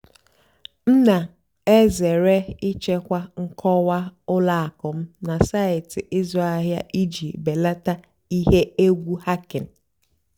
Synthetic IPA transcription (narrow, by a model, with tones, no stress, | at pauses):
n̩˦na˨ | e˦ze˨ɾe˦i˦t͡ʃe˦kʷa˦ŋ̩˦kʰɔ˦wa˦ʊ˦la˦a˨kʊ˨m̩˦na˨sa˦ɪ˨tɪ˨ʔɪ˦zɔ˦a˦ɦja̰˦ʔi˦d͡ʒi˨be˨la˦ta˦ | i˦ɦe˦e˦ɡʷu˦ha˦kɪ˨n̩˨